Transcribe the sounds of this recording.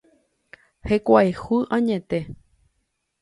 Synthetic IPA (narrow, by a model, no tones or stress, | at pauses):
hekʷaehuʔãɲẽt̪e